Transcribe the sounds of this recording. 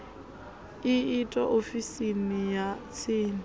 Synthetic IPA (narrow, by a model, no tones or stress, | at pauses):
ɪɪtʼɔʔofisinɪjat͡sʰeːnɪ